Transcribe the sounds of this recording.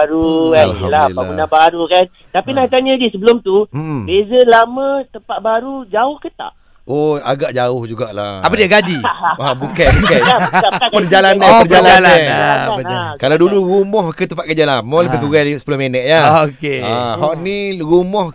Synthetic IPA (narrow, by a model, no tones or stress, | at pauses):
aɾukallaaunabaɾukan | t̪apinaht̪aɲəɡisəbəlʊmt̪ubezəlamə̃t̪əmpaʔ̪̚baɾud͡ʒaʊhkət̪a̰ʔ | oa̰ɡaʔd͡ʒaʊhd͡ʒuɡaʔla̰apədiaɡad͡ʒiabukajbukajaaapərd͡ʒalanapərd͡ʒalananakalawduluɾumɔhkət̪əmpaʔ̪̚kəd͡ʒalamɔləbik̪uɣaisəpəlohmenɛʔjaokeaɦɔʔniɾumɔh